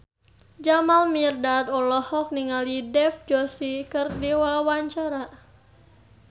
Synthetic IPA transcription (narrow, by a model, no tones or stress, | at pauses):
d͡ʒamalmirdat̪ɔlɔhɔk̚niŋalidɛfd͡ʒɔsikərdiwawaɲt͡ʃaɾa